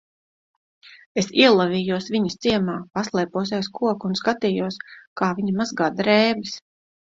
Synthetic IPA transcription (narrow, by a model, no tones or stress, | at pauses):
esiɛlˠaviːjuɔsvʲiɲɐst̪siɛmaːpaslˠɛːpuɔs̬ɛjskuɔkunskat̪iːjuɔskaːviɲɐmazɡad̪ɾɛːbis